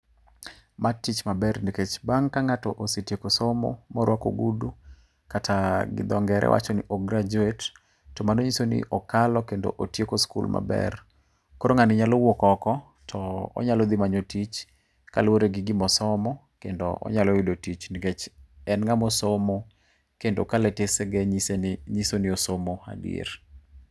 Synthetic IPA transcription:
matit͡ʃmabɛrniket͡ʃbaŋkaŋatɔʔositekosomo̰mɔɾwʔako̰ɡudu | katʰaɡɪ̰d̪ɔŋɡɛɾʔɛ̰wʔa̰t͡ʃonḭʔoɡɾad͡ʒuetː | ɔmanoɲisonɪ̰ʔɔkalɔkendo̰ʔotjekoskṵlma̰bɛ̰r | koɾoŋanɪɲalowokɔkɔ | tʰɔɔ̰ɲalɔd̪ɪmaɲotit͡ʃ | ka̰lwoɾeɡɪɡɪmɔsɔmɔkendo̰ʔɔ̰ɲalowidotit͡ʃniket͡ʃɛnŋamɔsomo | kendokalɛtesɛɡɛɲsnɲisonɪosomoa̰dḭḛɾ

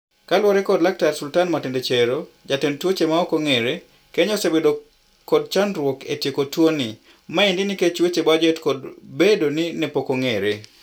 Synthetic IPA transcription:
kalwɔɾɛkɔdlak̚taɾsultanmatendet͡ʃeɾo | d͡ʒatentwot͡ʃemaɔkoŋeɾe | keɲɔsebedo | kɔd̚t͡ʃanɾwoketjekotwoni | maendiniket͡ʃwet͡ʃebad͡ʒɛtkɔdbedoninepokoŋeɾe

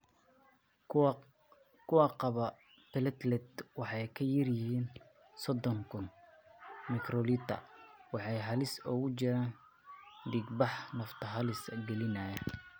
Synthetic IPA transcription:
kʰʊwɑqɑβɐ | pʰɛlɛt̪lɛd̪wɑħɑjkʰɐjɪrjɪɦiːn | sɔd̪ɔŋkʰʊn | mɪkrɔliːt̪ʰɐ̰wɑħɑjɦɐlɪsɔɣʊt͡ʃɪɾaːn | d̪iɡbɑħnɐft̪ʰɐɦɐlɪsɡɛlɪnaːjɐ

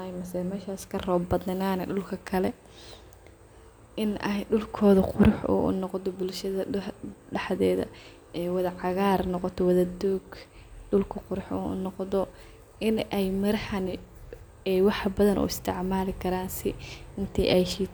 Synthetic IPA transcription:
ajmɐsɛmɛːʃaːskʰɐrɔːbɐðɐnaːnɛ̰ɖʊlkʰɐkʰɐlɛ | ɪnɐjɖʊlkʰɔːðʊqʊɾʊħʔɔ̰ʔʊ̰nɔqd̪ɔbʊlʃɐðɐɖɑħðɛːðɐ̰ | ɛːwɐðɐʕɑɣaːrnɔqɔt̪ʰɔwɐðɐd̪uːɡ | ɖʊlkʰɐqʊɾʊħṵːʊ̰nɔqðɔ | ɪnɛjmɐɾɐhɐnɪ | ɛːwɑħbɐðɐnʔṵːɪst̪ʰɪʕmaːlɪkʰɐɾaːnsɪɪnt̪ʰɛ̰ʔɛjʃiː

